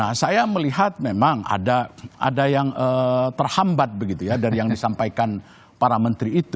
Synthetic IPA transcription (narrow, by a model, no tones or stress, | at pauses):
nasajaməliɦat̪̚memaŋa̰daa̰dajaŋət̪ərhambat̪̚bəɡit̪ujadaɾijaŋdisampajkan | paɾamənt̪ɾiːt̪u